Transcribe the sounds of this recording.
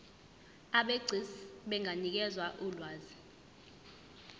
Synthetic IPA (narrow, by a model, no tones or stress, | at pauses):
aɓeɡ͡ǀʱisɓɛŋʱanik̬ɛzwaʔulwaːzi